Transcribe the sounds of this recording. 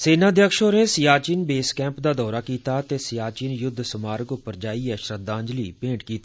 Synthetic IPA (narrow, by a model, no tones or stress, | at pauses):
seːnaːd̪ʱjəkʃoːɾnesɪjaːt͡ʃiːnbeːskɛ̃ːmpd̪aːd̪ɔːɾaːkiːt̪aːt̪eːsɪjaːt͡ʃiːnjʊd̪ʱːsʊmaːɾəkʊpəɾd͡ʒaːiɛʃɾət̪ːãːɲd͡ʒlḭːpẽːʈkiːt̪ḁ